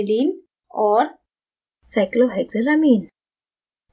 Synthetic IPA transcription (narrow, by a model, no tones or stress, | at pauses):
lin | ɔɾ | sajklobʱajɡzelamin